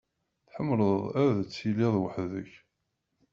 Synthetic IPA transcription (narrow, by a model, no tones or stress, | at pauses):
θħəmːləððˤæðət͡sːiliðˤwəħðə̰ç